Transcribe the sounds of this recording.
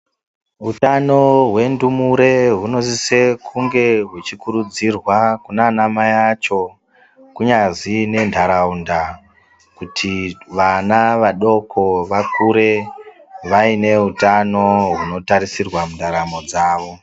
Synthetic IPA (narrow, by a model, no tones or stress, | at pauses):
ɦutano̞ɦwe̞ndumuɾe̞ɦuno̞zise̞kʰuŋɡe̞ɦwet͡ʃikuɾud͡zirwakunanamajat͡ʃo̞ | kuɲaʐine̞ndʱaɾaunda | kutʰiʋanaʋaɗo̞kʰo̞ʋakuɾe̞ | ʋaine̞ɦutano̞ɦuno̞taɾisirwamundʱaɾamo̞d͡zaːʋo̞